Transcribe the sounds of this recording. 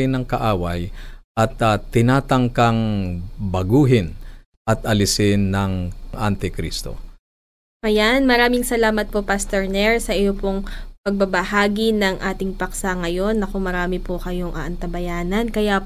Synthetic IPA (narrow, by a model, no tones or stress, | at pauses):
ɪnɐŋkɐʔaːwɐjʔɐt̪ɐt̪ːɪnaːt̪ɐŋkɐŋbɐɡuːɦɪn | ʔɐt̪ʔɐlɪsɪnːɐŋʔant̪ɪkɾḭst̪o̰ | ʔɐjanmɐɾaːmɪŋsɐlaːmɐt̪̚po̞past̪ɛɹnɛɹsɐʔɪjo̞po̞ŋpɐɡ̚bɐbɐhaːɡinɐŋʔaːt̪ɪŋpɐksaŋɐjo̞nːɐko̞mɐɾaːmɪpokɐjo̞ŋʔɐʔɐnt̪ɐbɐjaːnɐnkɐja